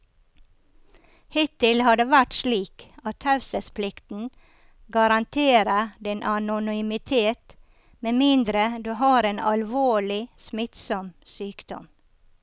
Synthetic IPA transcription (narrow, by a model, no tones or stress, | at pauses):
hɪt̪ɪlhɑd̪eːʋæʈʃɭiːkɑt̪hɑʉsəspʰlɪkt̪n̩ | ɡɑɾɑnt̪ʰeːɾəd̪ɛnʔɑnʊnʏmɪt̪ʰeːt̪ | meːmɪnd̪ɾəd̪ʉːhɑːɾeːnɑlʋoːɭɪsmɪt̪sɔmsyːkd̪̥ɔ̰m